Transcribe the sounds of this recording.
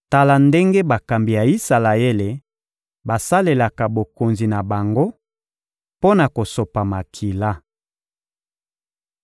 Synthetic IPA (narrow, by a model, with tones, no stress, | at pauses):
ta˨la˨nde˦ŋɡe˦ba˨ka˨mbi˨ja˨i˦sa˨la˨e˦le˨ | ba˨sa˦le˨la˨ka˨bo˨ko˨nzi˨na˨ba˨ŋɡo˦ | po˦na˨ko˨so˨pa˨ma˨kʰi˨la˦